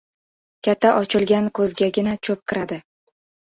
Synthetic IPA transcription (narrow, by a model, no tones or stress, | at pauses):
kʲat̪ʰːaʔɒt͡ʃʰɪlˠɡʲankʰɵzɡʲaɡʲɪnat͡ʃʰɵp̚kʲʰɪɾad̪ɪ